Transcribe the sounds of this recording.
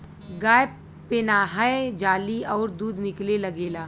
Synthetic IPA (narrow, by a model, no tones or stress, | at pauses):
ɡaːj | pɪnaːɦaed͡ʒaːliɔːɾd̪uːd̪nɪklelɐɡeːlaː